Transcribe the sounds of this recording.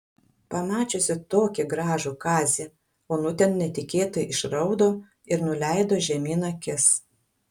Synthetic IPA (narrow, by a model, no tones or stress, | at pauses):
pɐmɑːt͡ʃʲoːsʲɪt̪oːkʲɪɡɾɑːʒuːkɑːzʲi | oːnʊt̪ʲɛnnʲɛt̪ʲɪkʲeːt̪ojɪʃɾɐʊd̪oː | ɪɾnʊlʲæˑɪd̪oːʒʲɛmʲiːnɐkʲɪs